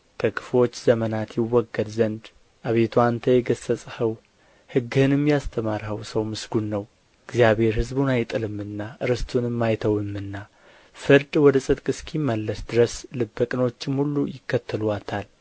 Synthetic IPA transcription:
kʰəkʰɨ̥flo̞t͡ʃːzəmənat̪jɪwːɔɡːəd̪zənd̪ | ʔaβe̞t̪ʰuant̪ʰəjɛɡəsːəsʼhəw | hɨɡːɨhɨnɨmjast̪ʰəmaɾhəwsəwmɨsɡunːəw | ɨɡzijaβe̞ɾhɨzbunajt̪ʼɨlɨmːɨnːaʔɨɾɨst̪ʰunɨmːajt̪ʰəwɨmːɨnːa | fɨɾd̪wɔd̪əsʼɨt̪kʼɨskʰimːəlːəsd̪ɨɾəslɨbːəkʼɨno̞t͡ʃːɪmhulːujɪkːət̪ʰːəluat̪ʰal

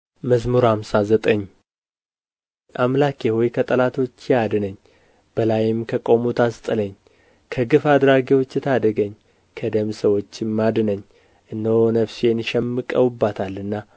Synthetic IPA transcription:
məzmuɾhamsazət̪ʼəɲː | ʔamlakʰehojkʰət̪ʼəlat̪ʰo̞t͡ʃːɪad̪ɨnəɲː | b̥əlajɪmkʰəkʼo̞mut̪ʰast̪ʼɨləɲː | kʰəɡɨfad̪ɾaɡiwo̞t͡ʃːɪt̪ʰad̪əɡəɲː | kʰəd̪əmsəwo̞t͡ʃːɪmːad̪ɨnəɲː | ʔɨnːəhonəfsjenʃɛmːɨkʼəwbːat̪ʰalːɨnːa

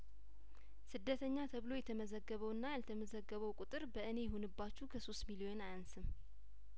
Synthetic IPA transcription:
sɨd̪ːət̪ʰəɲːat̪ʰəβɨlo̞jɛt̪ʰəməzəɡːəβəwɨnːajalt̪ʰəməzəɡːəβəwkʼut̪ʼɨɾbəʔɨne̞jɛhonɨbːat͡ʃːukʰəso̞st̪milio̞najansɨm

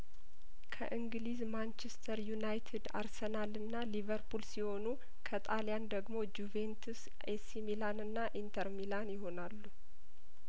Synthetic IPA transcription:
kʰə̰ʔɨŋɡɨlizmant͡ʃʰest̪ʰəɾjunajt̪ʰed̪a̰ɾsənalɨnːalivəɾpʰulsiho̞nu | kʰət̪ʼaljand̪əɡmo̞d͡ʒuvent̪ʰus | esimilanɨnːaʔint̪ʰəɾmilanjɪɦo̞nalːu

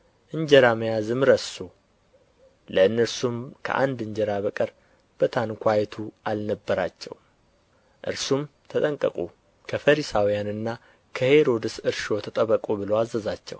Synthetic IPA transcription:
ʔɨɲd͡ʒɛɾaməjazɨmɾəsu | ləɨnːəɾsumkʰə̰ʔa̰nd̪ɨɲd͡ʒɛɾaβəkʼəɾ | b̥ət̪ʰankʰʷajɛt̪ʰualnəbːəɾat͡ʃːɛ̰w | ʔɨ̰ɾsumt̪ʰət̪ʼəŋkʼə̰kʼu | kʰəfəɾisawijanɨnːa | kʰəhe̞ɾo̞d̪ɨsɨɾʃo̞t̪ʰət̪ʼəβəkʼuβɨlowazːəzat͡ʃːɛ̰w

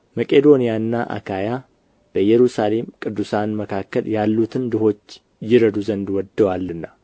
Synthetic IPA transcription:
məkʼed̪o̞nijanːaʔa̰kʰaja | b̥əjɛɾusale̞mkʼɨd̪ːusanməkʰakːəljalːut̪ʰɨnd̪ɨho̞t͡ʃː | jɪɾəd̪uzənd̪wɔd̪ːəwalːɨnːa

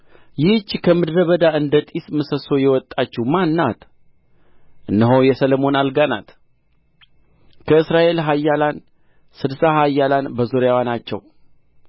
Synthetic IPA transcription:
jɪht͡ʃːkʰəmɨd̪ɾəβəd̪aɨnd̪ət̪ʼisməsəso̞jɛwɔt̪ʼːat͡ʃːumanːat̪ | ʔɨnːəɦojɛsələmo̞nalɡana̰t̪ | kʰəɨsɾaʔe̞lɦajːalan | sɨd̪saɦajːalanbəzoɾjawanat͡ʃːɛw

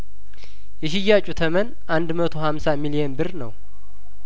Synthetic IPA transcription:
jɛʃ̬ɪjːat͡ʃʼut̪ʰəmən | ʔand̪mət̪ʰo̞hamsamilijenbɨrnə̰w

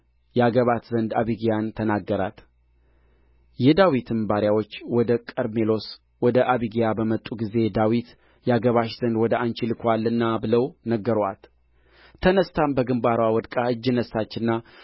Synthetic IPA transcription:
jɛaɡəβat̪zənd̪aβiɡijant̪ʰənaɡːəɾa̰t̪ | jɛd̪awit̪ʰɨmbaɾjawo̞t͡ʃːwɔd̪əkʼəɾmelo̞s | wɔd̪əʔaβiɡijabəmət̪ʼːuɡize̞d̪awit̪ | jɛaɡəβaʃz̥ənd̪wɔd̪əant͡ʃilɨkʰʷalːɨnːabɨləwnəɡːəɾwa̰t̪ | t̪ʰənəst̪ʰambəɡɨmbaɾwawɔd̪kʼaɨd͡ʒːɨnəsːat͡ʃːɪnːa

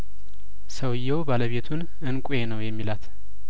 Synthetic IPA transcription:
səwjːɛwbaləβe̞t̪ʰun | ɨnkʷʼujenəwjɛmːilat̪

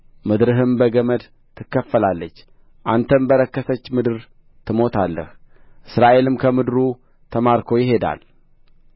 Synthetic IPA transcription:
mɨd̪ɾɨɦɨmbəɡəməd̪ | t̪ʰːɨkːəfːəlalːət͡ʃː | ʔant̪ʰəmbəɾəkːəsət͡ʃːmɨd̪ɨɾ | t̪ʰɨmo̞t̪ʰalːə̰h | ʔɨsɾaʔe̞lɨmkʰəmɨd̪ɾu | t̪ʰəmaɾkʰo̞jɪɦe̞d̪a̰l

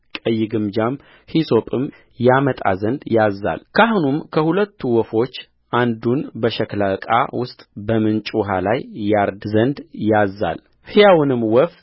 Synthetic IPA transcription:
kʼəjːɪɡɨmd͡ʒam | hiso̞pʼɨm | jamət̪ʼa̰zənd̪jazːa̰lkʰahunumkʰəhulət̪ːuwɔfo̞t͡ʃː | ʔand̪unbəʃɛklakʼa̰wʊst̪ʼbəmɨnt͡ʃʼuɦalajːaɾd̪zənd̪jazːa̰l | hɨjawnɨmwɔf

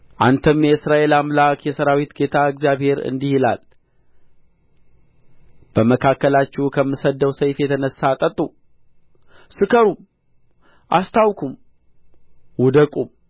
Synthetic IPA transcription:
ʔant̪ʰəmjɛɨsɾaʔe̞lamlakʰjɛsəɾawit̪ɡe̞t̪ʰaɨkzjaβhe̞ɾɨ̰nd̪ihila̰l | b̥əməkʰakːəlat͡ʃːɛkʰəmːɨsəd̪ːəwsəjfjɛt̪ʰənəsːat̪ʼət̪ʼːu | sɨkʰəɾum | ʔa̰st̪ʰawkʰum | wɔd̪əkʼum

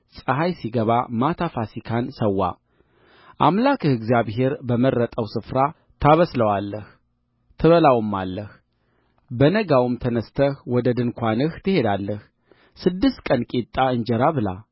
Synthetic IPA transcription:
sʼəɦajsiɡəβamat̪ʰafasikʰansəwːa̰ | ʔamlakɨhɨɡzjaβhe̞ɾbəmərːət̪ʼəwsɨfɾa | t̪ʰaβəsləwalːəh | t̪ʰɨβəlawɨmːalːəh | bənəɡawɨmt̪ʰənəst̪ʰəhwɔd̪əd̪ɨnkʷanɨht̪ʰɨhe̞d̪alːəh | sɨd̪ːɨst̪kʼənkʼit̪ʼːaɨnd͡ʒɛɾaβɨla̰

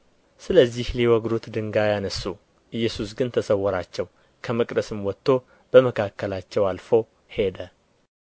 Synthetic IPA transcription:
sɨləzːihliwɔɡd̪ot̪d̪ɨŋɡajanəsːu | ʔɨjːɛsusɡɨnt̪ʰəsəwːɔɾat͡ʃːɛw | kʰəməkʼd̪əsɨmwɔt̪ːo̞ | b̥əməkʰakːəlat͡ʃːɛwalfow | he̞d̪ə

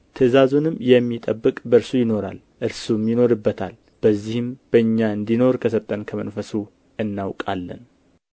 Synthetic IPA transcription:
t̪ʰəzazunɨmjɛmːit̪ʼəbːɨkʼbəɾsujɪno̞ɾa̰l | ʔɨɾsumjɪno̞ɾɨbːət̪ʰa̰l | b̥əzːihɨmbəɨɲːaɨnd̪ino̞ɾkʰəsət̪ʼːənkʰəmənfəsu | ɨnːawkʼa̰lːə̰n

